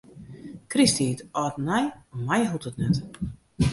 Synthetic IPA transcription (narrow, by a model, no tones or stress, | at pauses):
kristiːtɔːtnajmajɦutətnɛt